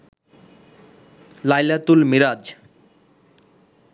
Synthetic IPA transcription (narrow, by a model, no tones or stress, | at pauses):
lajlat̪ulmiɾad͡ʑ